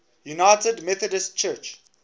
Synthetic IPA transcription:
junaɪtədmɛθədəstt͡ʃɜt͡ʃ

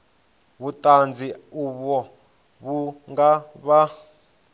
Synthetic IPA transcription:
βutʼand͡zʱiuβɔ | βuŋɡaβa

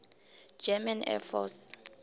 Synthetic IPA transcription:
d͡ʒɛmanɛ̰fɔ̰s

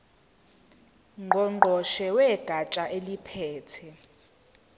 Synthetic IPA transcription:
ŋʱɔŋ͡ǃʱɔʃɛwɛɡ̥ʱat͡ʃʼaʔelipʰɛːtʰɛ

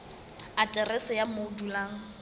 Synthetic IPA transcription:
atʼɛrɛsɪjamoudulaːŋ̩

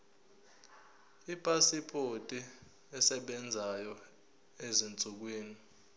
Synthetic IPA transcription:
ipʼasipʰʼotʼi | ɛsɛɓɛnd͡zʱajɔ | ezint͡suk̬wiːni

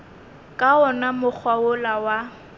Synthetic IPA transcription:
kʼaɔnamʊk͡xʰwaʊlawa

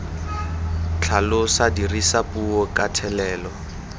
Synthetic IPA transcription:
t͡ɬʰalʊsadirisapʼuɔkʼatʰɛlɛːlɔ

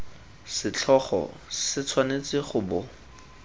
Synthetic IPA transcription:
sɪt͡ɬʰɔχɔ̰ | sɪt͡sʰwanet͡sɪχʊbʊ

